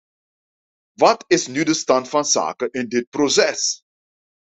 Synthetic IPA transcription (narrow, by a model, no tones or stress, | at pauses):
ʋɑtɪsnydəstɑntfɑnsa̰ːkəʔɪndɪt̚prosɛs